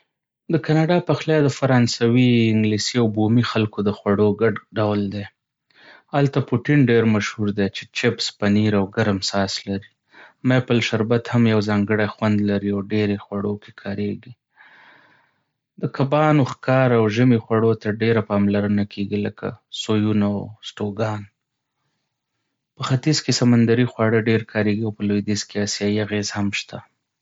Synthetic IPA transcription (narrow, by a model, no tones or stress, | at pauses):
d̪əkanɑɖɑpaxljɑd̪əfaɾɑnsawiɪŋɡlisiawbomixalkod̪əxwaɽoɡaɖɖawld̪e | halt̪apuʈɪnɖeɾmaʃhuɾd̪et͡ʃe̥t͡ʃɪpspaniɾawɡaɾamsɑslaɾi | mepalʃaɾbat̪hamjawzɑŋɡəɽaxwand̪laɾiawɖeɾexwaɽokekʰɑɾeɡi | d̪əkabɑnoxkɑɾawʒəmexwaɽot̪aɖeɾapɑmlaɾənakʰeɡiləkʰa̰sojunawsʈoɡɑn | pəxat̪izkesamand̪aɾixwɑɽəɖeɾkʰɑɾeɡiawpəlojd̪izkeɑsjɑjiaɣezhamʃt̪ʰa